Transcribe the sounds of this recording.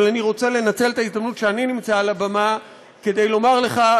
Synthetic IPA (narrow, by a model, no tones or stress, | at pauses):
laniʁo̞t͡se̞le̞nat͡se̞lt̪aizd̪amnut̪ʃeaninimt͡saːlabama | ke̞d̪e̞jlo̞maʁleχa